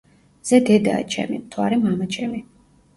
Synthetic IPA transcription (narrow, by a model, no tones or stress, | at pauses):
z̥ɛd̪ɛd̪a̰t͡ʃʰɛ̰mḭmt̪ʰwa̰ɾɛmamat͡ʃʰɛmi